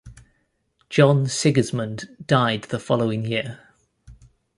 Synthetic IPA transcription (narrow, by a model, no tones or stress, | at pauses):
d̥ʒ̥ɒ̃nsɪɡəzmə̃nd̥aɪd̪̚ðəfɒləʊɪ̃ŋjɪə